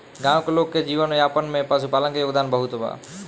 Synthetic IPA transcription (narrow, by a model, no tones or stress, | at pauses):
ɡãːwkeloːkːed͡ʒiːʋənjaːpənmẽpasupaːlənkejoːɡd̪aːnbəɦut̪ɦoba̰ː